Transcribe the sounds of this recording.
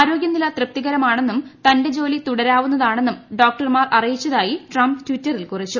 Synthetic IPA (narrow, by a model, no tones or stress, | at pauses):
aːɾo̞ːɡjɐnːilɐt̪rɨp̚t̪iɣɐɾɐmaːɳe̞nːumt̪ɐnde̞d͡ʑo̞ːlit̪uɽɐɾaːʋun̪ːɐðaːɳe̞nːumɖo̞ːk̚ʈɐrmaːrɐrijit͡ɕːɐðaːjiʈrɐmptʋitːɐrilkurit͡ɕːu